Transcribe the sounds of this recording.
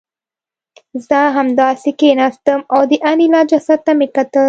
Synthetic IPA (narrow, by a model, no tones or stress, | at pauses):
zəɦamd̪ɑːsikenast̪əmawd̪iʔanilɑːd͡ʒɐsat̪ːamekɐt̪ə